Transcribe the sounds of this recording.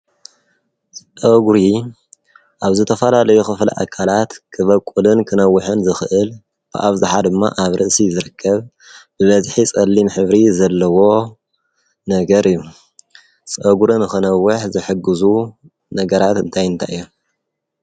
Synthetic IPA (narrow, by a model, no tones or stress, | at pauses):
sʼʔɐɡɾi | ʔaβzɨt̪ʰɐfɐlalɐjuxɨflɨ̰ʔa̰kʰːalat̪kʰɨβɐkʼulɨnkʰɨnɐwːɨħɨnzɨxɨʔɨl | b̥ɨ̰ʔaβzɨħad̪ɨmːa̰ʔaβɾʔɨʔsizɨɾɨkʰːɐβ | b̥ɨβɐzħit͡sʼɐlːimħɨβɾizɐlːɐwo̞ | nɐɡɐɾʔɨjːu | sʼɐɡuɾɨnɨxɨnɐwːʊħzɨħɨɡɨzu | nɐɡɐɾat̪ɨnt̪ʰajɨnt̪ʰa̰jjːu